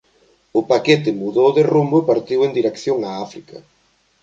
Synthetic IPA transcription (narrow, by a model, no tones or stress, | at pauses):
ʊpaket̪ɪmuðowðɪrumbʊepaɾt̪iwend̪iɾekθjoŋaafɾikɐ̰